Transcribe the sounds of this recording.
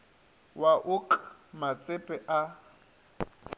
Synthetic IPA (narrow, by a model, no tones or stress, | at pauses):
waʔʊkʰʼmat͡sʼɪpʼɛʔa